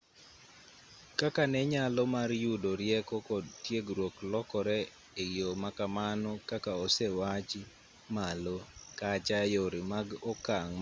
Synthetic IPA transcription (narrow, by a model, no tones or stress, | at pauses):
kakanɛɲalɔmarjudoɾjɛkɔkɔdtjeɡɾwoklɔkɔɾɛ | ejomakamanɔkakaosɛwat͡ʃɪ | malokat͡ʃajoɾimaɡɔkaŋ